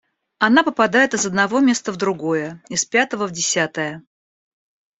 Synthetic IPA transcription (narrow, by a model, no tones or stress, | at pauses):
ɐnapəpɐd̪ajɪt̪ɨzəd̪nɐvo̞mʲe̞st̪əvd̪ɾʊɡo̞jəɪspʲat̪əvəvdʲɪsʲat̪əjə